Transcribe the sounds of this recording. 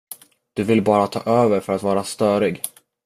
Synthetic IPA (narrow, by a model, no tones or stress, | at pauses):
d̪̥ɵvɪlbɑːɾat̪ʰɑ̰ːʔøːvəɾfœɾat̪vɑːɾast̪œːɾɪɡ